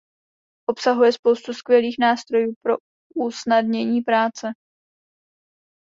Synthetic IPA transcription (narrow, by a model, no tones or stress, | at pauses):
ʔo̞psaɦujɛspowst̪uskvjɛliːxnaːst̪ɾo̞juːpɾo̞ | ʔusnadɲɛɲiːpɾaːt͡sɛ